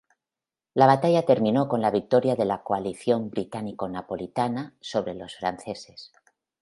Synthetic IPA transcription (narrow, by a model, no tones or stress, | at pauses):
laβ̞at̪aʝat̪e̞ɾmĩno̞ko̞nlaβik̚t̪o̞ɾjaðe̞lakoaliθjo̞mbɾit̪aniko̞napo̞lit̪anaso̞βɾe̞lo̞sfɾa̰n̟θe̞se̞s